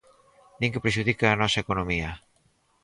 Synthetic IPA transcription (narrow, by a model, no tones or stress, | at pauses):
nĩŋkepɾeʃuðikaːnɔsaekonomia